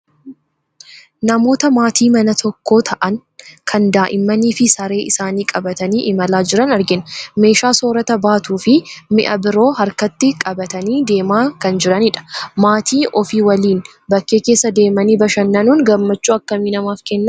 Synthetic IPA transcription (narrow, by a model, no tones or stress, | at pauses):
nɐmo̞ːt̪ɐmaːt̪ʰiːmɐnɐt̪ʰɔkːo̞ːt̪ʰɐʔɐnkʰɐnd̪aːʔɪmːɐniːfɪsɐɾe̞ːʔɪsaːniːkʼɐbɐt̪ɐniːʔɪmɐlaːd͡ʒɪɾɐnɐɾɡɪnme̞ːʃaːso̞ːɾɐt̪ɐbaːt̪uːfɪmɪ̰ʔɐ̰bɪɾo̞ːɦɐɾkɐt̪ːɪkʼɐbɐt̪ɐniːd̪e̞ːmaːkɐnd͡ʒɪɾɐnɪᶑɐ̥maːt̪ʰiːʔɔfiːwɐliːn | bɐkːeːkeːsːɐd̪e̞ːmɐniːbɐʃɐnːɐnuːŋɡɐmːɐt͡ʃːuːɐkːɐmiːnɐmaːfkɛnːɐ